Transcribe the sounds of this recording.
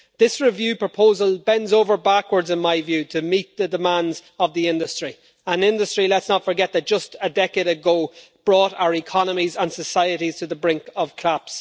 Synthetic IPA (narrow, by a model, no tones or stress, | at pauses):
ðɪsɹɪvjʉːpʰɹ̥əpʰoʊzəlˠbɛ̃ndzoʊvə˞bakwə˞dzɪ̃nmaɪvjʉːɾʰəmit̪̚ðədɪmãndzəvðiɪ̃ndəstɹ̥i | ə̃nɪ̃ndəstɹ̥ilətsnətfə˞ɡɛt̪̚ðət̚d̥ʒ̥ʌstədɛkeɪɾəɡoʊ | b̥ɹɔːɾa̰ʊə˞ɪkʰɑnəmizə̃nsəsaɪəɾiz̥tʰəðəbɹɪ̃ŋkəv̥kʰl̥aps